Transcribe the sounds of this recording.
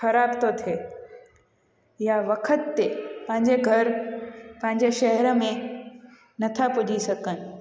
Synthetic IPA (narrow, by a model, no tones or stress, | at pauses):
xɐɾaːbt̪ot̪ʰeː | jaʋɐkʰət̪ːepɐ̃ɦɪ̃ɲd͡ʑeɡʱɐɾpɐ̃ɦɪ̃ɲd͡ʑeʃɐɦɛɾəmẽ | nɐt̪ʰapʊd͡ʑʱisɐkənɪ̆